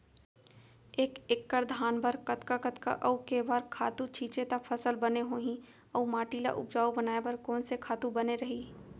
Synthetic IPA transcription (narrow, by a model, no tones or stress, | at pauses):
eːkekːəɾd̪ʱaːnbəɾkət̪kakət̪ka̰ʔəukebaɾkʰaːt̪ũt͡ʃʰiːt͡ʃet̪apʰəsəlbəneɦoːɦĩ | əumaːʈiːla̰ʔʊ̰p̚d͡ʒaːubənaːebɐɾkɔːnsekʰaːt̪ubəneɾɐɦi